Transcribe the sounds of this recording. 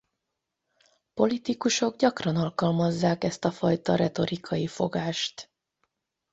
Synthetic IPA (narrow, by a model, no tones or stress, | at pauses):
po̞lit̪ikuʃo̞ɡɟɒkrɒnɒlkɒlmɒzːaːkɛst̪ɒfɒjt̪ɒɾɛt̪o̞ɾikʰɒjifo̞ɡaːʃt̪